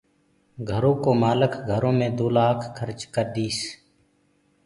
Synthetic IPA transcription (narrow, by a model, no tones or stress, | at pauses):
ɡʱəɾõːkoːmaːləkɡʱəɾõːmẽːd̪oːlaːkʰkʰəɾt͡ʃkəɾd̪iːs